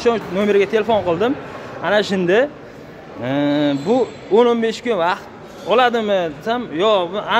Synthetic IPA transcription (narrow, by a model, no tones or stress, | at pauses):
ʃɒnome̞ɾɡʲat̪ʰe̞lefonqʰɨlˠd̪ɪmanaʃɪnd̪ɪ | bʊ | ononbe̞ʃkʲʊnvɑqt̪̚ | ɒlad̪ɪmɪd̪esamjɒa